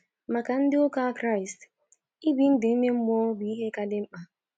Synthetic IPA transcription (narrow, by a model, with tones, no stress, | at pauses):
ma˨ka˨n̩˦dɪ˦o˦ka˦kɾa˦˨i˨st | i˦bi˦n̩˦dɪ˨˦me˦m̩˦mɔ˦bi˦i˦ɦe˦ka˦dɪ˦m̩˦k͡pa˦